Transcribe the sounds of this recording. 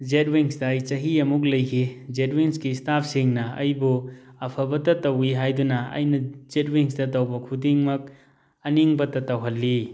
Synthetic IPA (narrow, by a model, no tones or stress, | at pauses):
d͡ʒet̚wiŋsdajt͡ʃɐɦiɐmuk̬̚lɐjkʰid͡ʒet̚wiŋskistapʰsiŋnɐɐ̰jbuɐpʰɐbɐtɐtɐwiɦajdunɐɐ̰jnɐzet̚wiŋsdɐtɐwbɐkʰudiŋmɐk̚ | ɐniŋbɐtɐtɐwɦɐlːi